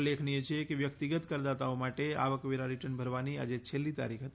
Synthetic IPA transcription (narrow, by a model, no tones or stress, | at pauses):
lekʰniet͡ʃʰekeʋjəkt̪iɡət̪kəɾd̪at̪aomaʈea̰ʋəkʋeɾaɾiʈənbʱəɾʋania̰d͡ʒet͡ʃʰelːit̪a̰ɾikʰɦət̪